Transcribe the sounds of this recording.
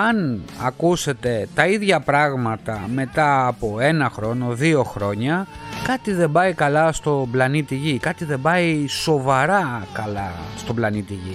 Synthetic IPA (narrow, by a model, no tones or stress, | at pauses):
ɐnɐ̰kuse̞t̪e̞t̪ɐiðʝɐpɾɐɣmɐt̪ɐ̰me̞t̪ɐɐpo̞e̞nɐxɾo̞no̞ðio̞xɾo̞ɲɐ | kɐt̪iðe̞mbɐikɐlɐst̪o̞blɐnit̪iʝikɐt̪iðe̞bɐiso̞vɐɾɐkɐlɐst̪o̞blɐnit̪iʝḭ